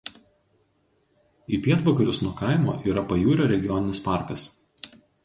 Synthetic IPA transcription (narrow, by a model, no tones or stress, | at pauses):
ipʲiɛt̪ʋɐkɐɾʲʊsnuɔkɑˑɪmoːʔiːɾɐpɐjuːɾʲoːɾʲɛɡʲɪjɔnʲɪnʲɪspɑˑɾkɐs